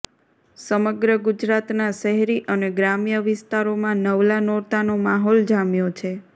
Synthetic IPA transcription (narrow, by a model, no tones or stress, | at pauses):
səməɡɾəɡud͡ʒɾat̪naʃəɦɛɾiʔəneɡɾamjəʋɪst̪aɾomãnəʋlanɔɾt̪anomaɦold͡ʒamjot͡ʃʰe